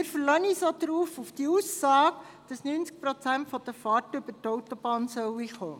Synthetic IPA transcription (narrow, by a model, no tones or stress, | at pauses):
ɪɾfəɾlœnisodɾuːfufd̥iuːsɑːk | d̥ɑsnynt͡sk̚pɾot͡sæntfɔd̥əfɑrtʏbətɔwtob̥ɑːnsœwiχoː